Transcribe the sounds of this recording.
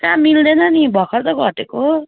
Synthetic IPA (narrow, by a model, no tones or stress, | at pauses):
kãmild̪enʌnibʱʌkʰʌɾt̪ʌɡʱʌʈeko